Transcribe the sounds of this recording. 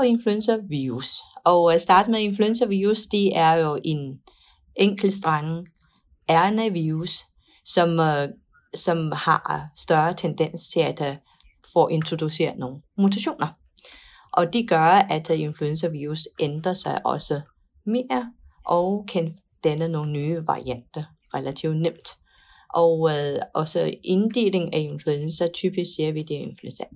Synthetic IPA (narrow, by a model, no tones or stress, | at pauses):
e̝nfluensɐʋiusɒ̽ʊsd̥ɑ̈ːd̥əmee̝nfluensɐʋiːʁusd̥e̝æɐjo̝ʔe̝n | ʔeŋ̰ɡ̥l̩sd̥ʁɑ̈ŋə | æɐnæʋiːʁusː | ɒ̽m | sɒ̽mhɑ̈sd̥ɶɐt͡sʰend̥en̰st͡sʰe̝læd̥æ | fɒʔe̝nt͡sʰʁo̝d̥use̝̰ːɐno̝ːn̩mut͡sʰæɕo̝̰ːnɐ | ʔɒ̽d̥e̝ɡ̥ɶɐæd̥e̝nfluensɐʋiːʁusʔend̥ʁɐsɑ̈ɪʔɒ̽sə | me̝ːɐʔɒ̽ʊkʰæn | d̥ænəno̝ːn̩ːyːʋɑ̈ʁiæn̰d̥ɐ | ʁelæt͡sʰiʊ̰dnem̰d̥ | ʔɒʊʔɒ̽səe̝nd̥e̝̰ːle̝ŋæe̝nfluensɐt͡sʰyːb̥issiɐʋid̥ee̝nfluensɐ